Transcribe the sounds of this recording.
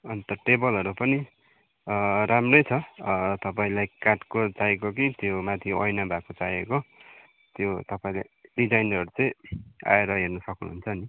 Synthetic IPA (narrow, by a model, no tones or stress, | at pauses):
ʌnt̪ʌʈebʌlʌɾupʌni | ramrʌjt͡sʰʌt̪ʌpaĩlajkaʈkot͡sajkok̬it̪jomat̪ʰiʌ̰jnabʱakot͡sajeko | t̪jot̪ʌpaĩlaɖid͡zajnʌɾut͡sʌ̃j̃a̰eɾʌɦernʌsʌknṵɦunt͡sʰʌni